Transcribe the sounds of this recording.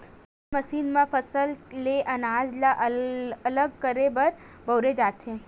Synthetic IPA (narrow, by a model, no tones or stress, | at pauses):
mɐsiːnmãfɐsəlleʔɐnaːd͡ʒlaʔɐləɡ̚kəɾebɐɾbɐːɾed͡ʒaːt̪ɦẽː